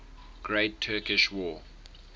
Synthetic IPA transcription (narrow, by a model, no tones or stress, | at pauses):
ɡ̥ɹeɪtʰːɜkɪʃwɔː